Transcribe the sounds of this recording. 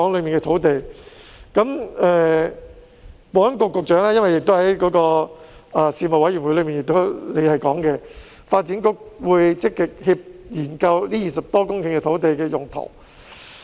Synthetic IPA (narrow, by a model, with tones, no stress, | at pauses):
ɔː˨˥ŋlɵ˨˧ɥmiː˨˩nkɛ˧t̪ʰo˨˥wt̪e˨jkɐ˨˧˥mɛː˨˧ | pɔː˨˥nkʊ˧kːʊ˨˧k̚t͡ʃœː˨˥ŋlaː˥jɐ˥nwɐ˨jɪ˨k̚t̪o˥whɐ˨˦jkɔː˨˧˥kɔː˧ɐ˨siː˧mɐ˨t̚wɐ˨˥jy˨˩nwu˨˧˥lɵ˨˧miː˨njɪ˨k̚t̪o˥wle˨˧hɐ˨jkɔː˨˥ŋkɛ˧ | faː˧t̚t͡siː˨˥nkʊ˥k̚wuː˨˧jt͡sɪ˥kːɪ˨k̚hi˧p̚jiː˨˩nkɐ˧wliː˥jiː˨sɐ˨p̚t̪ɔː˥kʊ˥ŋkɪ˧ŋkɛ˧t̪ʰo˨˥wt̪e˨jkɛː˧jʊ˨˩ŋt̪ʰo̰˨˩w